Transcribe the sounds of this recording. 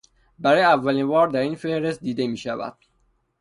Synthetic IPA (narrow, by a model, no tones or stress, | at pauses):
bæɾɒːjeævːæliːnbɒːɾd̪æɾiːnfe̞hɾe̞st̪̚d̪iːd̪emiːʃævæ̰d̪̥